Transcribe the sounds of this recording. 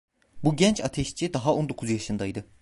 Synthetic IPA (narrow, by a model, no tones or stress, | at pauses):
buɟɛnt͡ʃʰat̪ʰɛʃt͡ʃʰid̪aɦao̞nd̪o̞kʰuzjaʃɯnd̪ajd̪ɯ